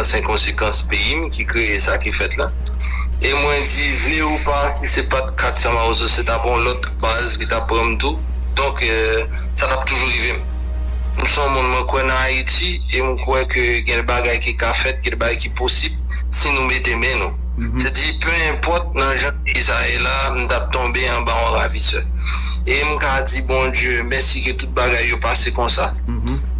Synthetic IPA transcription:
sɛ̃kɔ̃sekɑ̃speimkikʁeesakifɛt̪la | emwɛ̃d͡zivneupasisepat̪̚kʰat̪sãmaozoset̪apɔ̃lɔt̪ | bazkit̪apːʁãmt̪u | d̪ɔ̃k | sat̪ap̚t̪uʒuɣivem | musɔ̃mũnmwɛ̃kwɛnãaiti | emw̃kwɛ̃køɡɛ̃baɡajkikafɛt̪̚ɡɛ̃baɡajkiposib | sinũmet̪emɛ̃nũ | sad͡zipøɛ̃pɔt̪̚nɐ̃ʒɑ̃izaɛla | m̩̃t̪ap̚t̪ɔ̃beɑ̃baɔ̃ʁavisɛ | em̩kad͡zibɔ̃d͡zjømɛ̃siɡɛ̃t̪ut̪̚baɡajːopasekɔ̃sa

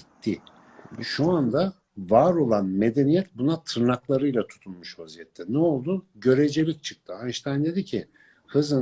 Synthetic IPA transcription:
it̪ʰːi | ʃuand̪a | vaːɾo̞lˠanme̞d̪e̞nijɛt̪bunat̪ʰɯɾnaklˠaɾɯjlʲˠat̪ʰu̥t̪ʰulˠmuʃhozijɛt̪ʰːɛnɛo̞lˠd̪uɟø̞ɾed͡ʒelʲic̚t͡ʃʰɯ̥k̚t̪ʰɯanʃt̪ʰand̪e̞d̪icʰɪ | hɯzɯ

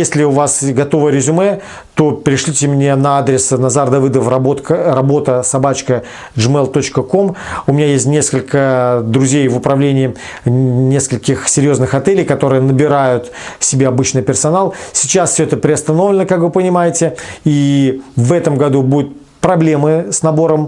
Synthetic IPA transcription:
jesʲlʲɪʊvasɡɐt̪o̞vəɾʲɪzʲʊmɛ | t̪o̞pʲɪɾʲɪʂlʲitʲɪmnʲe̞nɐad̪ɾʲɪsnɐzard̪ɐvɨd̪əfrɐbot̪kərɐbo̞t̪əsɐbat͡ɕkə | ʐɨmɛlˠt̪o̞t͡ɕkəko̞mʊmʲɪnʲajesʲtʲnʲeskəlʲkəd̪ɾʊzʲejvʊpɾɐvlʲenʲɪː | nʲe̞skəlʲkʲɪxsʲɪɾʲjo̞znɨxɐt̪ɛlʲɪjkɐt̪o̞ɾɨjənəbʲɪɾajʊt̪ | sʲɪbʲeɐbɨt͡ɕnɨjpʲɪrsɐnalˠsʲɪ̥t͡ɕasfsʲɵɛt̪əpɾʲɪɐst̪ɐno̞vlʲɪnəkakvɨpənʲɪmajɪtʲɪivɛt̪əmɡɐd̪ubud̪ʊt̪̚ | pɾɐblʲe̞mɨsnɐbo̞ɾəm

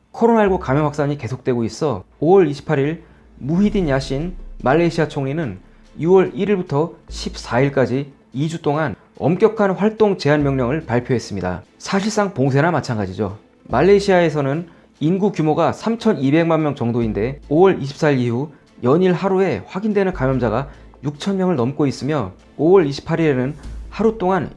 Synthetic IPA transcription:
kʰʌɾonaiɭɡukamjʌŋɦwak̚s͈aɲike̞sʰok̚t͈we̞ɡois͈ʌ | owʌɾiɕʰi̥pʰːaɾiɭ | muɦidinjaɕ͈ʰinmaɭːeɕʰiat͡ɕʰoŋɲinɯn | iwʌɾiɾiɭbutʰʌɕʰip̚s͈aiɭk͈ad͡ʑi | id͡ʑut͈oŋan | ʌ̰mk͈jʌkʰanɸwaɭt͈oŋt͡ɕe̞ɦanmjʌŋɲʌŋɯɭpaɭpʰjoɦe̞s͈ɯmɲida̰sʰaɕʰiɭs͈aŋpoŋsʰe̞namat͡ɕʰanɡad͡ʑid͡ʑo | maɭːe̞ɕʰiae̞sʰʌnɯn | inɡukjumoɡasʰamt͡ɕʰʌnibe̞ŋmanmjʌŋt͡ɕʌŋdoinde̞owʌɭʔiɕʰi̥p̚s͈aiɾihu | jʌɲiɭɦaɾue̞ɸwaɡindwe̞nɯnkamjʌmd͡ʑaɡa | juk̚t͡ɕʰʌnmjʌŋɯɭnʌmk͈ois͈ɯmjʌ | owʌɭiɕʰi̥pʰːaɾiɾe̞nɯnhaɾut͈oŋan

